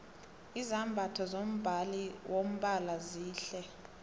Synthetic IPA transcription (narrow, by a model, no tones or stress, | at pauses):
izambʱatʰɔzom̩bʱaliwʔom̩ɓalaziːɬɛ